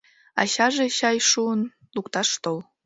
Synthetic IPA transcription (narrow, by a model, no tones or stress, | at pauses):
ɑ̰ɕɑʒeɕɑjʃuən | lukt̪ɑʃt̪ol